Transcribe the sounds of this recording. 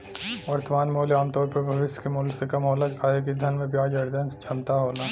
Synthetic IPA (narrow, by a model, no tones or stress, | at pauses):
ʋɐɾt̪əmaːnmoːljaːmt̪ɔːɾpɐɾbʱɐʋɪʃjkemuːljsekɐmɦoːlakʰaːɦek̬id̪ʱɐnmẽpjaːd͡ʒɐɾd̪ənd͡ʒʰɐnt̪aɦoːlaː